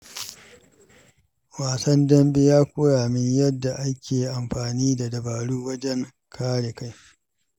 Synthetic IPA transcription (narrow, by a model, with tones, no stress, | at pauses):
waː˨sɐ˦ndɐ˦mbe˦jaː˦kʷuː˦ɽaː˨mɪ˦ɲjɐ˦dːa˨ʔa˦kʲʰeː˨ʔa˨mɸaː˨niː˦da˨dɐ˨baː˨ɽuː˦wɐ˦d͡ʒɛ˦ŋ | kʰaː˦ɽe˨ka˦j